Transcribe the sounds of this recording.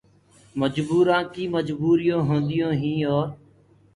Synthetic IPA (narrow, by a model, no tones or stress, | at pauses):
məd͡ʒbuːɾãːkiːməd͡ʒbuːɾɪjõːɦõːnd̪ɪjõːɦĩːoːɾ